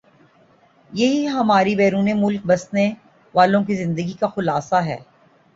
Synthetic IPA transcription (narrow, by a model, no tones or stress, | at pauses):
jɐɦiɦɐmaːɾibɛːɾuːnemʊlk̚bɐsne | ʋaːlõk̬izɪ̃nd̪əɡikaxʊlaːsaɦɛ̰ː